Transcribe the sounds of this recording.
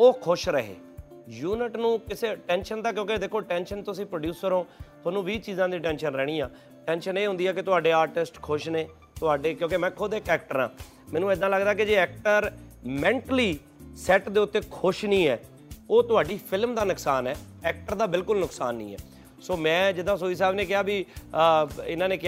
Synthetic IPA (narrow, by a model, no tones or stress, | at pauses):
oːkʰʊʃɾəɦḛː | juːnɪʈnũːkɪseːʈɛ̃ːnʃənd̪aːkjõːked̪eːkʰoːʈɛːnʃənt̪ʊsĩːpɾəɖjuːsəɾɦõːt̪ʰʊoaːnũːʋiːt͡ʃiːzãːd̪ĩːʈɛ̃ːnʃənɾɛːɽ̃iːãː | ʈɛ̃ːnʃəneːɦʊ̃nd̪iːɛːk̬ɪt̪ʊaːɖeːaːɾʈɪsʈkʰʊʃneː | t̪ʊaːɖeːkjõːkemɛ̃ːkʰod̪eːkɛːk̚ʈəɾã̰ː | mɛ̃ːnũːɪd̪ãːləɡd̪aːked͡ʒeːɛːk̚ʈəɾmɛ̃ːɳʈliː | sɛːʈd̪eːʊt̪ːeːkʰʊʃnĩːɛː | oːt̪ʊɦaːɖiːpʰɪlmd̪aːnʊksaːnɛː | ɛːk̚ʈəɾd̪aːbɪlkʊlnʊksaːnːḭ̃ːɛ̰ː | soːmɛ̃ːd͡ʒɪd̪ãːs̬oːiːs̬ɛːbneːkɪjaːbiː | ɪnãːneːkɪ